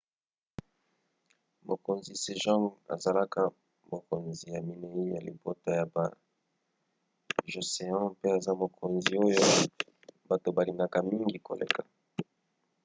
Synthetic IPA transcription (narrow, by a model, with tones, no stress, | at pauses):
mo˨ko˨nzi˨se˨ʒɔ̃˦ŋa̰˨za˨la˦ka˦ | mo˨ko˨nzi˨ja˨mi˨ne˨i˦ja˨lḭ˨bo˦ta˦ja˨ba˨ | ʒo˨se˨ɔ̃˦pe˦a˨za˦mo˨kʰo˨nzi˨o˦jo˦ | ba˨to˨ba˨li˨ŋa˦ka˦mi˦ŋɡi˨ko̰˨lḛ˨ka˨